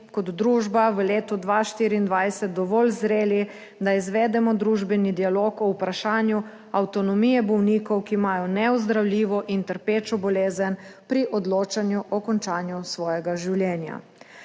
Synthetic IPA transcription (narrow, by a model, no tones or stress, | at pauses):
kɔd̪ːɾuːʒbaʋəleːt̪ɔd̪ʋaʃt̪iːɾiːnd̪ʋajsɛt̪̚d̪ɔʋɔːlzɾeːli | d̪aizʋɛd̪ɛmɔd̪ɾuːʒbɛnid̪ialokɔupɾaʃaːnju | awt̪ɔnɔmiːjɛbɔwniːkɔwkimaːjɔnɛɔzd̪ɾawliːʋɔʔint̪əɾpeːt͡ʃɔbɔleːzənpɾiʔɔd̪loːt͡ʃanjuʔɔkɔnt͡ʃaːnjusʋɔːjɛɡaʒiwljɛːnja̰